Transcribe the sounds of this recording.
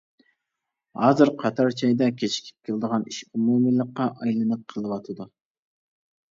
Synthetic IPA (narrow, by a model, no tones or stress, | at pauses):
hɑːzɨɾqʰɑt̪ʰɑɾt͡ʃʰɑjd̪ɛkʲʰet͡ʃʰi̥kʲʰi̥p̚kʲʰelˠd̪əʁɑniʃumumɨlˠəqːɑʔɑjlˠɨnɨp̚qʰəlˠɨwɑt̪ʰɨd̪u